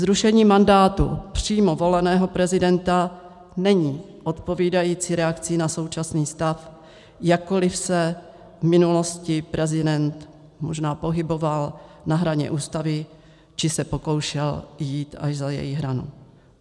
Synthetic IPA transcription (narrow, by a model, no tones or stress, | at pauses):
zɾuʃɛɲiːmandaːt̪ṵpr̝̥iːmovo̞lɛnɛːɦo̞pɾɛzɪdɛnt̪a | nɛɲiː | ʔo̞t̪po̞viːdajiːt͡siɾɛakt͡sɪnaso̞wt͡ʃasniːst̪af | jakːolɪfsɛ | vmɪnulo̞scɪpɾɛzɪdɛnt̪ | mo̞ʒnaːpo̞ɦɪbo̞valnaɦɾaɲɛ̰ʔuːst̪avɪ | t͡ʃɪsɛpo̞ko̞wʃɛljiːt̪aʒzajɛ̰jɪɣɦɾanṵ